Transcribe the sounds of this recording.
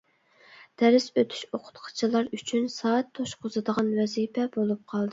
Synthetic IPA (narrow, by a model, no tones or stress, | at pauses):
d̪̥æɾɪsøt̪ʰy̥ʃoqʰʊ̥t̪qʰɑ̥t͡ʃʰilˠɑɾyt͡ʃʰynsɑːt̪ʰːoʃqʰʊzɨd̪əʁɑnwɛzipʰɛbolˠup̚qʰɑlˠd̪ɨ